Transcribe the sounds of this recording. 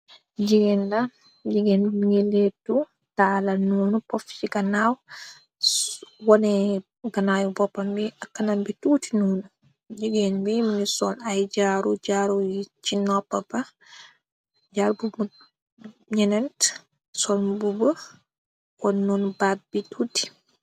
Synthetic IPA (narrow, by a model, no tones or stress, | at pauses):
d͡ʒiɡɛnda | d͡ʒiɡɛnŋiletːu | taːlanuːnupɔft͡ʃiɡanaw | wɔnɛ | ɡanajubɔpːambiakːanambituːtinuːnu | d͡ʒiɡɛnbiminisɔnajd͡ʒaːɾud͡ʒaːɾut͡ʃinɔpːaba | d͡ʒaɾbub | ɲɛnɛnt | sɔnbubə | kɔnunubat̚bituti̥